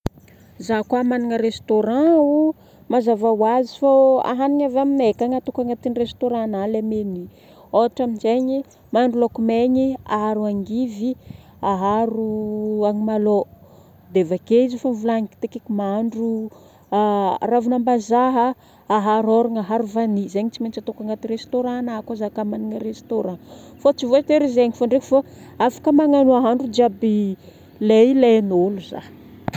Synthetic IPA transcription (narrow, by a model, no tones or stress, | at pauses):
zakwamanaŋəɾest̪oɾãu | mazavawazifaa̰ɦaniɲavaminekaŋat̪ukaŋat̪inrest̪oɾãnalameni | oaʈ͡ʂaminzeɲi | maɳɖ͡ʐulokumeɲiaɦaɾuaŋɡivi | aɦaɾuaŋimalo | d̪evakeizifanvulaŋiki̥t̪ekekimaɳɖ͡ʐu | ravunambazaɦə | aɦaɾoɾaŋaɦaɾuvanizeɲit͡siment͡ʃat̪okaŋɡat̪irest̪oɾãnakazakamaniŋərest̪oɾãfat͡sivoat̪eɾizeaŋifaɳɖ͡ʐeki̥fa | afḁkəmaŋanuaɦaɳɖ͡ʐud͡ʒiabi | lelenoluza̰